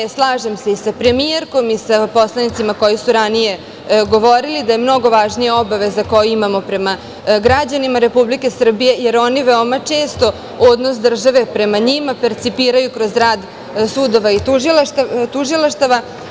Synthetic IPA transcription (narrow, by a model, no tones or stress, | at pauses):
slˠaːʒe̞mse̞isapɾe̞mijeɾko̞misapo̞slˠanit̪simako̞jisuɾanije̞ | ɡo̞ʋo̞ɾilid̪aje̞mno̞ɡo̞ʋaʒnijao̞baʋe̞zako̞juimamo̞pɾe̞ma | ɡɾad͡ʑanimaɾe̞publike̞sr̩bije̞je̞ɾo̞niʋeomat͡ʂe̞ːst̪o̞ | od̪no̞sd̪r̩ʒaʋe̞pɾe̞maɲimape̞ɾt̪sipiːɾajukɾo̞zɾaːd̪ | sud̪o̞ʋait̪uʒilat̪t̪uʒilˠaʃt̪aʋa